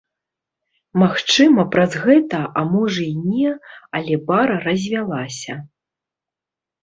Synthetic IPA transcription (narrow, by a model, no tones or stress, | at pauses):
maxt͡ʂɨmɐpɾazɣɛt̪ɐʔamɔʐɐinʲɛɐlʲɛbaɾɐrɐzʲvʲalˠasʲɐ